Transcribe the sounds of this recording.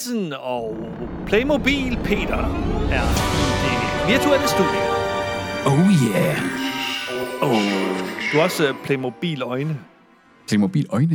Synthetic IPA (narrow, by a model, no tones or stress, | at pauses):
sən | ɒ | pʰleɪmo̝b̥ḭːlpʰe̝̰ːd̥ɐæɐid̥eʋiɐt͡sʰuel̰əsd̥ṵðˠjə | oʊjæ | o | d̥uɒ̽spʰleɪmo̝b̥ḭːlɒɪnə | leɪmob̥ḭːlɒɪnə